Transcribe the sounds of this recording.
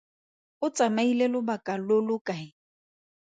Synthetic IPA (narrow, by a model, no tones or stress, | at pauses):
ʊt͡sʼamailelʊbakʼalolʊkʼaɪ